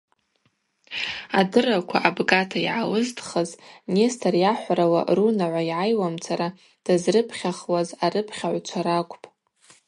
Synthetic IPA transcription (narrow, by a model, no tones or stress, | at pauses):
adɨrakʷʰaʔabɡatʰaiʕawɨztʰʼχaznestʰarjaħʷaɾawa̰runaʕʷaiʕajwamt͡sʰaɾa | d̥azrɨpʰχʲaχwazarɨpʰχʲaʕʷt͡ʃʷʰaɾakʷʼpʼ